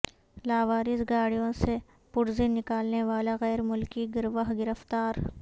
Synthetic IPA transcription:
laːʋaːɾɪzɡaːɽijõse | pʊɽzinɪkaːlneʋaːlaɣɛːɾmʊlkiɡɪɾʋaɦɡɪɾəft̪aːɾ

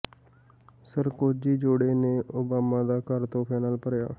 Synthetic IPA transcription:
səɾkoːd͡ʒiːd͡ʒoːɽeːneːʔoːbaːmaːd̪aːkəɾt̪õːpʰɛːnaːlpəɾja̰ː

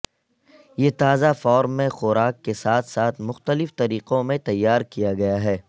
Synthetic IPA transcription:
jeːt̪aːzafɔːɾmːẽxʊɾaːkːesaːt̪ʰsaːt̪ʰmʊxt̪əlɪft̪ɐɾiːqõmẽt̪ɐjːaːɾkijaɡɐjaɦɛː

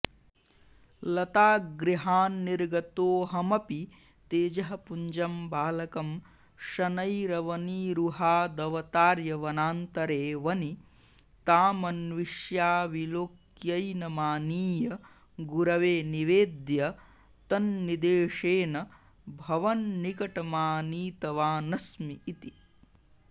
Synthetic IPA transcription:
lɐt̪aːɡɾiɦaːnːiɾɡɐt̪oːɦɐmɐpi | t̪eːd͡ʒɐɦɐpuɲd͡ʒɐmbaːlɐkɐm | ʃɐnɐjɾɐʋɐniːɾuɦaːd̪ɐʋɐt̪aːɾjɐʋɐnaːnt̪ɐɾeːʋɐni | t̪aːmɐnʋiʃjaːʋiloːk | jɐjnɐmaːniːjɐ | ɡuɾɐʋeːniʋeːd̪jɐ | t̪ɐnːid̪eːʂeːnɐ | bʱɐʋɐnːikɐʈɐmaːniːt̪ɐʋaːnɐsmiːt̪i

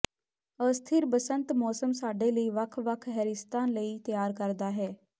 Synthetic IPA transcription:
əst̪ʰɪɾbəsə̃nt̪mɔːsəmsaːɖeːləiːʋəkʰʋəkʰɦɛɾɪst̪aːnləiːt̪jaːɾkəɾd̪aːɦɛː

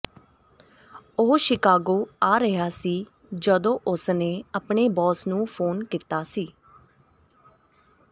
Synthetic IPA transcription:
oːʃɪkaːɡoːaːɾəɦaːsiː | d͡ʒəd̪õːʔʊsneːəpɳeːbɔːsnũːpʰoːnkit̪aːsiː

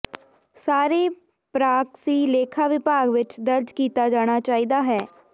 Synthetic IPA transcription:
saːɾeː | pɾaːksiːleːkʰaːʋɪpaːɡʋɪt͡ʃd̪əɾd͡ʒkiːt̪aːd͡ʒaːɽ̃aːt͡ʃaːiːd̪aːɦɛː

